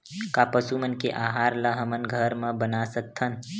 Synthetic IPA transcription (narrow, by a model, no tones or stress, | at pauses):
kaːpəsumɐnkeʔaːɦaːɾlɐɦəmənɡʱəɾmɐ̃bɐnaːsɐt̪ʰːɐn